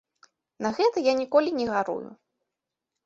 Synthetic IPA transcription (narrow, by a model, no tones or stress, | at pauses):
nɐɣɛt̪ɐjanʲikɔlʲinʲɛɣaɾṵjṵ